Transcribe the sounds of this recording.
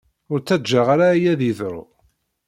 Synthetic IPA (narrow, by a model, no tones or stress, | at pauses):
ʊɾt͡sːæd͡ʒaʁaɾaijæðiθɾʊ̰